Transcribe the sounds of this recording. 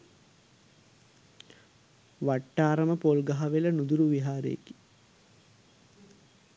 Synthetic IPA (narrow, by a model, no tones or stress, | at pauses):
ʋaʈːaːɾəməpolɡaɦɐʋelɐnud̪uɾuʋiɦaːɾḛḛki̥